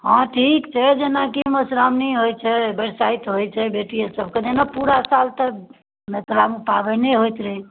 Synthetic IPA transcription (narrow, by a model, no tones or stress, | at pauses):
ɦãʈʰikt͡ʃʰɛd͡ʒenakiməsɾamniɦojt͡ʃʰɛbɛɽsait̪ɦojt͡ʃʰɛbeʈijesəb̚ʱked͡ʒenapuɾasalt̪ə | met̪ɾamupabəneɦojt̪ɾɛ